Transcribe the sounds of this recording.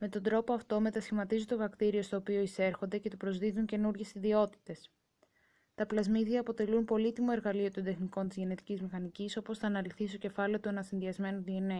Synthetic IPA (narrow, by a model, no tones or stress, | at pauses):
me̞t̪o̞nd̪ɾo̞poɐft̪o̞me̞t̪ɐsçimɐt̪izunt̪ovɐkt̪iɾiost̪o̞ːpio̞ise̞ɾxo̞nd̪e̞ce̞t̪upɾo̞zðiðuɲce̞nuɾʝe̞siðio̞t̪i̥t̪e̞s | t̪ɐplɐzmiðiɐːpo̞t̪e̞lunpo̞lit̪imo̞e̞ɾɣɐlio̞t̪od̪e̞xniko̞nt̪izʝe̞ne̞t̪icizmixɐniciso̞po̞sθɐːnɐliθist̪o̞ce̞fɐle̞ot̪ue̞nɐsinðiɐzme̞nuðie̞ne